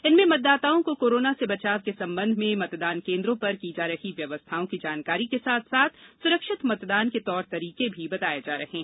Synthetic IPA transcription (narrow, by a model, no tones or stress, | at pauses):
ɪnmẽmɐt̪̚d̪ːaːt̪aːõkokoːɾoːnasebɐt͡ʃaːʋkesɐ̃mbə̃nd̪ʱmẽmɐt̪d̪aːnkẽːnd̪ɾõpɐɾkid͡ʒaːɾɐɦiʋjɐʋəst̪ʰaːõkid͡ʒaːnkaːɾikesaːt̪ʰsaːt̪ʰsʊɾəkʃɪt̪mɐt̪d̪aːnket̪ɔːɾt̪ɐɾiːkebʱibɐt̪aːjed͡ʒaːɾɐɦẽː